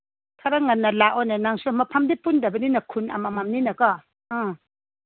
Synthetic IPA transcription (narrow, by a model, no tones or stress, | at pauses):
tʰaɾaŋanːɐlaʔɔnenaŋsumapʰamdipundabɐninakʰuna̰mamamninɐkɔ̃